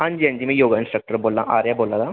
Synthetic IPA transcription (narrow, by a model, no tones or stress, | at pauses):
ɐ̃ɲd͡ʒiɐ̃ɲd͡ʒimẽjoːɡaɪ̃nsʈɾɐk̚ʈəɾboːlːãʔaːɾjaboːlːad̪a